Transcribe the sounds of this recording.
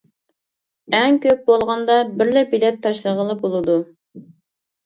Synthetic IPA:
ɛŋkʲøp̚bolˠʁɑnd̪ɑbɪɾlɛbilɛt̪ʰːɑʃlˠəʁəlˠəbolˠɨd̪u

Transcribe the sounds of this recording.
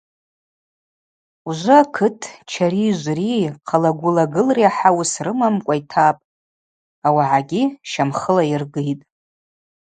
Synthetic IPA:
uʒʷɨakʰɨtʰt͡ʃʰaɾiʒʷriqʰalaɡʷʊlaɡɨlriaħawsrɨmamkʷʼajtʰapʼ | awaʕaɡʲiʃamχəlairɡɨjtʼ

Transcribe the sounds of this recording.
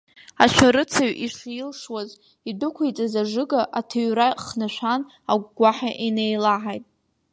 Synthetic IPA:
aʃʷᶣaɾɨt͡sʰaɥiʂilʂwaz | idʊkʷʰajt͡sʼazaʐɨɡaʔatʰaɥraχnaʃʷan | aɡʷɡʷaħaʔinejlaʕajtʼ

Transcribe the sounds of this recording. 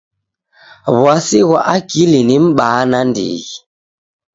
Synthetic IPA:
βwasiɣɔʔakilinim̩ɓaːnandḭɣi

